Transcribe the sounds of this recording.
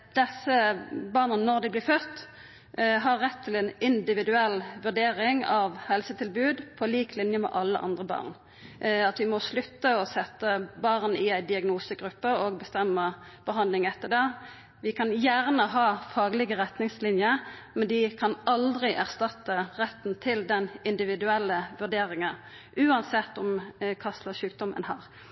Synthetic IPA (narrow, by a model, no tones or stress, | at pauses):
d̪̥ɛsːəbɑʁnənɔʁd̪ɪblɪːfœt̪ː | ɦɑʁːɛt̪ʰːɪlɛnɪnd̪ɪʋɪd̪ʉɛlːʋʉʁɖeːɾɪŋɑʋhɛlsət̪ʰɪlbʉːd̪pʰɔliːklɪnjəmɛ̰ʔɑlːə̰ʔɑ̰nd̪ʁəbɑ̰ːʁn | ɑt̪ʋɪmɔslʉt̪ːəɔsɛt̪ːəbɑʁnɪæɪd̪ɪɑɡnuːsəɡɾʉpːəɔɡ̚bəst̪ɛmːəb̥əɦɑnd̪lɪŋɛt̪ːəd̪ɛ | ʋɪkʰɑnjæʁnəɦɑːfɑːɡlɪɡəʁɛt̪nɪŋslɪnjəmɛnd̪ɪkʰɑnɑld̪ʁɪʔæʁst̪ɑt̪ːəʁɛt̪ːn̩t̪ʰɪld̪ɛnɪnd̪ɪʋɪd̪ʉɛlːəʋʉʁɖeːɾɪŋən | ʔʉːɑnsɛt̪ːɔmkʰɑst̪ləʃʉːk̚d̪ɔmə̰nɦɑːʁ